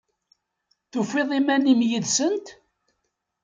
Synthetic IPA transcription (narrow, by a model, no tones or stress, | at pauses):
θʊfeðˤimænimjiðsənt̪